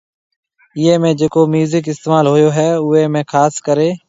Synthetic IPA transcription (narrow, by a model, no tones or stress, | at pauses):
ɪeːmẽːd͡ʒeːkoːmjuːzɪk̬ɪst̪eːmaːlɦoːjoːɦɛːʊːeːmẽːkʰaːskəɾeː